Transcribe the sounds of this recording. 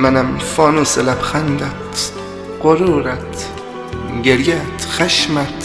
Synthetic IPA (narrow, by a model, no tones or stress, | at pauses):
mænæmfɒːnuːselæbxænd̪æt̪ | qoɾuːɾæt̪ | ɡeɾjæt̪ʰxæʃmæt̪